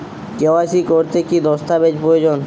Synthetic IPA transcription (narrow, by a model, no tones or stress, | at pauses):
kewasikoɾt̪ekid̪ɔst̪abed͡ʑpɾood͡ʑon